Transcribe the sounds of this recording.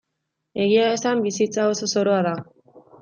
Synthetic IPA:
e̞ɣiae̞sambisit͡sao̞so̞so̞ɾo̞aða

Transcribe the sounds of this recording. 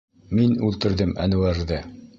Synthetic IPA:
minʉlt̪ɘ̆ɾðɘmæ̰nɘ̆wæɾðɘ

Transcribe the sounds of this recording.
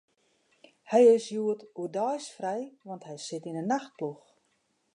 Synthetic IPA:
hɛjɪsjuətudɔjsfrɛjʋɑntɦɛjsɪtinənːaxt̚plux

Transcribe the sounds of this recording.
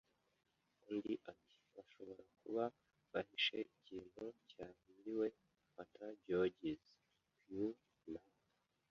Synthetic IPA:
undiʔati̥ | βaʃo̞βo̞ɾakuβa | βahiʃe̞iciːn̥hucaːniwe̞ | ataɟoɟiz | kju | na

